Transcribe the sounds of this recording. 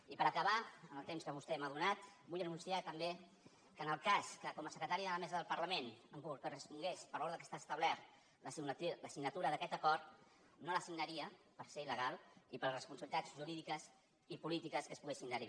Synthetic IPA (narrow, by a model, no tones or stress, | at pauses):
ipəɾəkəβaənəlˠt̪emskəβ̞ust̪ɛmaðunat̪bujənunsiat̪əmbe | kənəlˠkaskəkɔməsəkɾət̪aɾiəðələmɛzəðəlˠpəɾləmenəŋkulkərəspuŋɡespəɾɔɾðəkə̥st̪aːst̪əβlɛɾ | ləsiɡnləsiɡnət̪uɾəðəkɛt̪əkɔɾt̪ | noləsiɡnəɾiə | pəɾseiləɣalˠipəɾlrəspunsəβlit̪ad͡zʒuɾiðikəs | ipulit̪ikəskəspuɣesind̪əɾi